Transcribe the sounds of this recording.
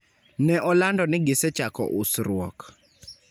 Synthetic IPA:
nɛʔɔlandɔnɪɡɪsɛt͡ʃakɔ̰ʔʊsɾwɔk

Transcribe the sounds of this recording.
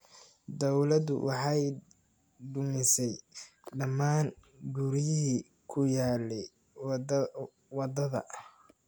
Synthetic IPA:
d̪ɔwlɐd̪ʊ̰wʔɑħɑj | d̪ʊmɪsɛj | ɖɐmaːn | ɡuɾɪjɪɦi | kʰʊjaːlɛ | wɑd̪ɐðɐ̰

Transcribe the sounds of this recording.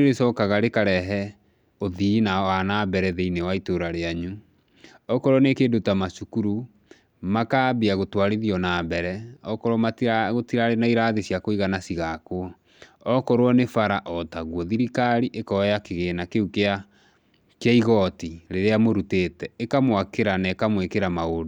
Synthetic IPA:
eɾesɔkaɣaɾekaɾɛɦɛ | oðinawanaːbɛɾɛðeinewaitoɾaɾeaɲu | ɔkɔɾwɔnekeːdotamasukuɾu | makaːbiaɣotwaɾiðiɔnabɛɾɛɔkɔɾwɔmatɣotiɾaɾenaiɾaðesjakoiɣanasiɣakoɔ | ɔkɔɾwɔnefaɾaʔɔtaɣwɔðiɾikaɾiʔekɔjakeɣeːnakeukea | kjaiɣɔtiɾeɾeamoɾuteːtɛekamwakeɾanɛkamwekeɾamaodo

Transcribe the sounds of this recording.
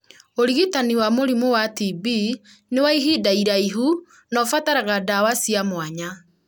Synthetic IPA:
oɾiɣitaniwamoɾimowatibi | newaiɦidaiɾaiɦu | nɔfataɾaɣadawasiamwaɲa

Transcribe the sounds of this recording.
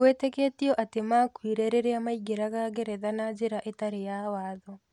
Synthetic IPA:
wetekeːtiɔʔatemakwiɾeɾeɾeamaiɡeɾaɣaɡeɾɛðanad͡ʒeɾaʔetaɾejawaːðɔ

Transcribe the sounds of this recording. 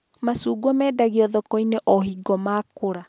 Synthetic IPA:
masuːɡwɔmɛːdaɣiɔðɔkɔineʔɔɦiɡɔmaːkoɾa

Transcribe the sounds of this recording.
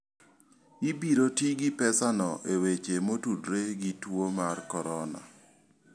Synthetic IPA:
ibiɾotiɡɪpɛsanɔʔewet͡ʃemotudɾeɡitwomarkɔɾɔna̰

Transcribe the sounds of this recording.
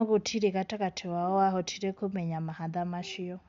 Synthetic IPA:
kotʰiɾɛkatakatʰɛwaɔwaɦɔtʰiɾɛkʰomɛɲamahaðamaʃiɔ

